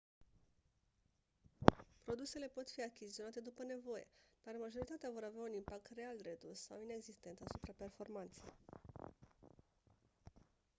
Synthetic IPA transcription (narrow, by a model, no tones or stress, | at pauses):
pɾo̞d̪use̞le̞po̞t̪fiakʲizizionat̪e̞d̪upəne̞vo̞je̞̰d̪̥armaʒo̞ɾit̪at̪eavo̞ɾaveaunimpak̚t̪re̞alre̞d̪usːawine̞ɡzist̪e̞nt̪asupɾape̞rfo̞rmant̪se̞̰j